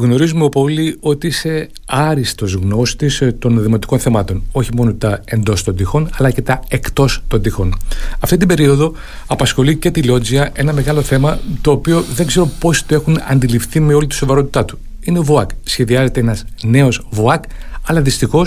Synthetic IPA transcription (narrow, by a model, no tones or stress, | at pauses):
ɣno̞ɾizumeopo̞lio̞t̪iise̞ | ɐɾist̪o̞zɣno̞st̪ist̪o̞nðimo̞t̪i̥ko̞nθe̞mɐt̪o̞no̞çimo̞not̪ɐe̞nd̪o̞st̪o̞nd̪ixo̞nɐlɐce̞t̪ɐe̞kt̪o̞st̪o̞nd̪ixo̞nɐft̪it̪imbe̞ɾio̞ðo̞ | ɐpɐsxo̞lice̞t̪ilo̞d͡ziɐʔe̞nɐme̞ɣɐlo̞θe̞mɐt̪o̞ːpio̞ðe̞ŋɡze̞ɾo̞po̞si̥t̪oe̞xunɐ̰nd̪ilifθime̞o̞lit̪i̥so̞vɐɾo̞t̪i̥t̪ɐt̪u̥ | ineovoɐksçe̞ðiɐze̞t̪eenɐzne̞o̞zvoɐkɐlɐðist̪ixo̞s